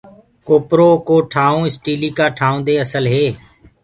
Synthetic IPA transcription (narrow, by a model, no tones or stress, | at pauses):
koːpɾoːkoːʈʰaːõːɪsʈiːliːkaːʈʰaːũːd̪eːəsəlɦeː